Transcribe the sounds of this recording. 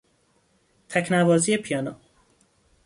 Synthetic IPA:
t̪ʰæcʰnævɒːziːjepʰijɒːno

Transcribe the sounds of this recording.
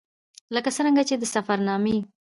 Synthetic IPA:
ləkasəɾəŋɡat͡ʃed̪əsafaɾnɑme

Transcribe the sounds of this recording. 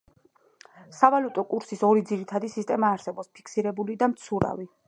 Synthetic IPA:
savalut̪ʼɔkʼuɾsisɔɾid̪ziɾit̪ʰad̪isist̪ʼɛmaːɾsɛbɔpspʰi̥kʰsiɾɛbulid̪amt̪sʰuɾa̰vi

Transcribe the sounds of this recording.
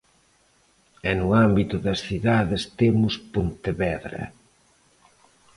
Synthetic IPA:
ɛnʊambit̪ʊðɐsθiðaðest̪emʊspont̪eβɛðɾɐ̰

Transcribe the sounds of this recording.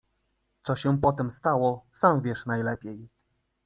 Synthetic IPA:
t̪sɔɕɛpɔt̪ɛmst̪awɔsamvʲjɛʂnajlɛpʲej

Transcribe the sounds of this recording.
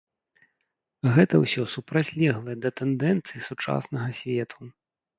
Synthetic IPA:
ɣɛt̪ɐwsʲɔsupɾat͡sʲlʲɛɣlˠɐjɛd̪ɐt̪ɛnd̪ɛnt̪sɨjisut͡ʂa̰snɐɣɐsʲvʲɛt̪ʰu

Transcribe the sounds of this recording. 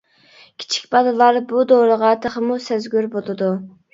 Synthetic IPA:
kʲʰi̥t͡ʃʰi̥kʲbɑd̪ɨlˠɑɾbud̪owɾəʁɑt̪ʰeχəmusæzɡʲyɾbolˠɨd̪u

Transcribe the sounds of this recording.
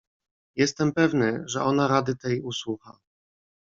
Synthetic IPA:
jɛst̪ɛmpɛvnɘʐɛʔɔnaɾad̪ɘt̪ɛjuswuxa

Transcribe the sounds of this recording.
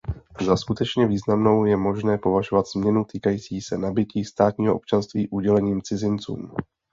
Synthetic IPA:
zaskut̪ɛt͡ʃɲɛviːznamno̞wjɛmo̞ʒnɛːpo̞vaʒovat̪z̥mɲɛnut̪iːkajiːt͡siːsɛnabɪciːst̪aːt̪ɲiːɦoo̰pt͡ʃanst̪viːʔuɟɛlɛɲiːmt͡sɪzɪnt͡sṵːm

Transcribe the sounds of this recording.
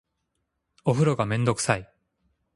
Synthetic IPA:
oɸɯ̟ɾo̞ɡamẽ̞nd̪o̞kɯ̟̥sai

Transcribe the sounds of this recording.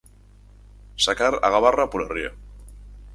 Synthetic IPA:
sakaɾa̰ɣaβarapoɾerio̰

